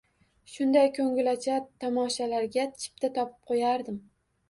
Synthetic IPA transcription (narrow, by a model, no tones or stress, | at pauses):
ʃʊnd̪ajkʲʰɵŋɪlat͡ʃʰat̪ʰamɒʃalaɾɡʲat͡ʃʰɪ̥p̚t̪ʰat̪ʰɒpʰɪ̥p̚qʰojaɾd̪ɪm